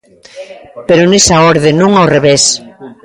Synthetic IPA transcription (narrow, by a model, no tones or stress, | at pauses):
peɾʊnesaɔɾðenũŋaowreβes